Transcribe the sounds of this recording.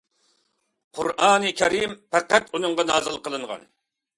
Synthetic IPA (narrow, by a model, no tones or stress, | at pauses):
qʰṵɾɑːnɨkʲʰɛɾimpʰæqːæt̪unɨŋʁɑnɑːzɨlˠqəlˠɨɴʁɑ̰n